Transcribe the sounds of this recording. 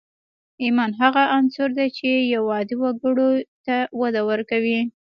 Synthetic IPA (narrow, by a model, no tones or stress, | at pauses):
imɑnɦaɣaʔansʊɾd̪at͡ʃejawɑd̪iwaɡəɽot̪awad̪awəɾkawi